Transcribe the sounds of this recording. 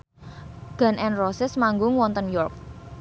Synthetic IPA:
ɡ̥a̤nʔɛnrɔsɪsmaŋɡʊŋwɔnt̪ənjɔrk̚

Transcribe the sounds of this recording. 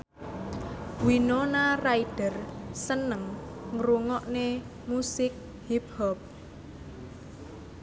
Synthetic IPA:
winonaraid̥ərsənəŋ | ŋɾuŋɔʔne | musɪk̚ | hiphɔp̚

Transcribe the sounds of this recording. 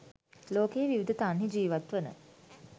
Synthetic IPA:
loːkejʋiʋid̪ət̪anɦid͡ʒiːʋat̪ʋənə̰

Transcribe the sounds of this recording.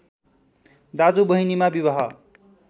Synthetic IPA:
d̪ad͡zubʌɦinimabiβʌɦʌ

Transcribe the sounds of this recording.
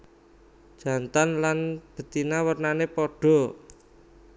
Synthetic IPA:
d̥ʒ̥ä̤nt̪anlanb̥ə̤t̪inawərnanepɔɖ̥ɔ̤

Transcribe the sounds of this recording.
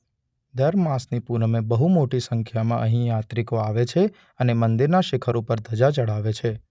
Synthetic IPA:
d̪əɾmãsnipunmebəɦumoʈisəŋkʰjamã̰ʔəɦĩjat̪ɾikoaʋet͡ʃʰe | ənemənd̪iɾnaʃɪkʰəɾupəɾd̪ʱəd͡ʒat͡ʃəɽ̤aʋet͡ʃʰe

